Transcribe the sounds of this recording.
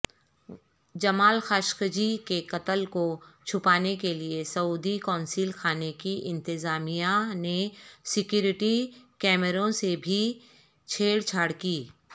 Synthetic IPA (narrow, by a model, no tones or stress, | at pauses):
d͡ʒɐmaːlxaːʃkd͡ʒikekɐt̪əlkot͡ʃʰʊpaːnekeliesɐuːd̪ikɔːnsilxʰaːnekiʔɪ̃nt̪ɪzaːmijanesɪkjuːɾɪʈikɛːməɾõsebʱi | t͡ʃʰeːɽt͡ʃʰaːɽkiː